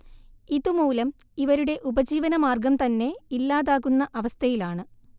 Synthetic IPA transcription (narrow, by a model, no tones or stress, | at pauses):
iðumuːlɐm | iʋɐɾuɽe̞ʔubɐd͡ʑiːʋɐnɐmaːrɡɐmt̪ɐnːe̞ilːaːðaːɣːunːɐʔɐʋɐst̪ʰɐjilaːɳɨ